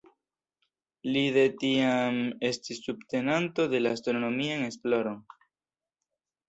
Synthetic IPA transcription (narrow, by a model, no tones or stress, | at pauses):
liðetiame̞stisːubte̞nanto̞de̞laastɾoɾono̞miane̞splo̞ɾo̞n